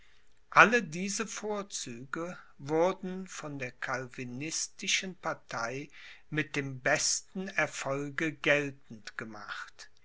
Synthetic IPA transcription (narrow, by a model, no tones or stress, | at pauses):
ʔalədiːzəfoːɐt͡syːɡə | vʊɐdn̩fɔndeːɐkʰalvinɪstɪʃənpaɐtʰaɪ | mɪt̚d̥eːmbɛstn̩ɛɐfɔlɡəɡɛltn̩tɡ̥əmaχt